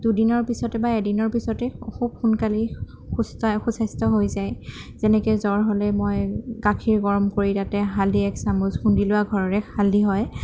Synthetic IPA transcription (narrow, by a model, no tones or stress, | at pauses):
d̥udinɔɹpisɔtɛbaɛdinɔɹpisɔtɛxub̚xunkali | xustxusajstɔɦojzajzɛnɛkɛzɔɹɦɔlɛmojɡakʰiɹɡɔɹɔmkoɹitatɛɦaldiɛksamuzxundilʊaɡʱɔɹɔɹɛkʰaldiɦɔj